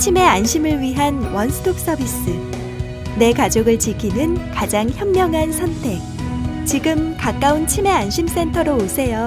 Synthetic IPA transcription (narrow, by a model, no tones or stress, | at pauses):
t͡ɕʰime̞anɕʰimɯɭɥiɦanwʌnsʰɯ̥tʰok̚s͈ʌbis͈ɯ | ne̞kad͡ʑoɡɯɭt͡ɕikʰinɯnkad͡ʑaŋçjʌmːjʌŋɦansʰʌntʰe̞k̚t͡ɕiɡɯmkak͈aunt͡ɕʰime̞anɕʰims͈ʰe̞ntʰʌɾoːsʰe̞jo